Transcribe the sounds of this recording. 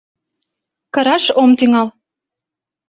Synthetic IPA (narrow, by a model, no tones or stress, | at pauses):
kɤ̆ɾɑʃomt̪yŋɑl